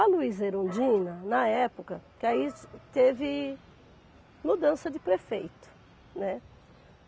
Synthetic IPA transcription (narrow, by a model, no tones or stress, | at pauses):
ɐluizeɾõd͡ʒĩnɐnɐɛpʊkɐkɪait̪evɪ | mud̪ɐ̃sɐd͡ʒ̪ɪpɾefejt̪ʊ̥ | nɛ